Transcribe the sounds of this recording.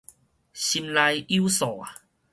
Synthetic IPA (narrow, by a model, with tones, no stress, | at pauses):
ɕi˧mla˧ji˦sɔ˨˩˨a˨